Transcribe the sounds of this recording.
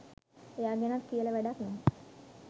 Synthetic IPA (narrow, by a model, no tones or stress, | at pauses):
ejaːɡenat̪kijələʋæɖak̪nom